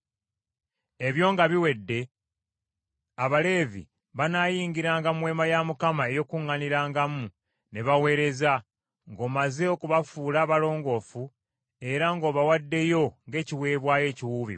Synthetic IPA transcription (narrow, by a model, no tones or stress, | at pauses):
e̞βjo̞ːŋɡaβiwe̞dːe̞ | aβale̞ːvḭ | βanaːjiːŋɡiɾaːŋɡamwe̞ːmajamukamae̞jo̞kuŋːaniɾaːŋɡamu | ne̞βawe̞ːɾe̞za | ŋɡo̞ːmaze̞okuβafuːlaːβalo̞ːŋɡo̞fu | e̞ɾaŋɡo̞ːβawadːe̞jo̞ŋɡe̞ːciwe̞ːβwaːje̞ːciwuːβḭ